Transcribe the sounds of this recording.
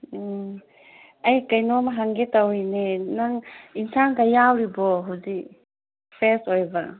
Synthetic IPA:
ɐjkajnɔmaɦaŋɡetawinenaŋinsankajawɾibɔɦawzi | pʰesojba

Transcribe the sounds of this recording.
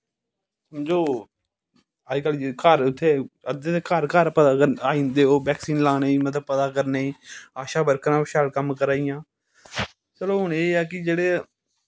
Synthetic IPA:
smd͡ʒoː | aːikəld͡ʒikaɾʊt̪ʰːeːəd̪et̪ekaɾkaːɾpəd̪aːkəɾaːĩːnd̪eːoːbɛːksiːnlaːneːiːmət̪ləb̚pəd̪aːkəɾneːiːaːʃaːbəɾkɾãːbʃaːlkəmkəɾaːɪjãː | t͡ʃəloːʊɳeːɛːk̬ɪd͡ʒeːɽeː

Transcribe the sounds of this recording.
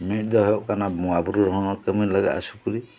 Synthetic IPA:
mit̚d̪ɔɦɔjɔʔkanamuabuɾuɾɔɦɔŋɔɾkəminlaɡa̰t̪a̰sukuɾi

